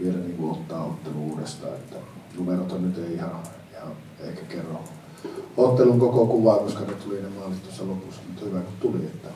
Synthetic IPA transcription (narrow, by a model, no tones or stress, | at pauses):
ʋielæniːŋkuʔʔot̪ːɑːʔot̪ːeluuːdest̪ɑ̰ːet̪ːælumerot̪ːɑnyt̪eˑiihɑ | ihɑʔ | eˑikækerːɑ | ot̪ːeluŋkokokuʋɑˑekoskɑnet̪ulinemɑːlːˑit̪t̪uosːɑlopusːɑmut̪ːhyʋækut̪t̪uliet̪ːæ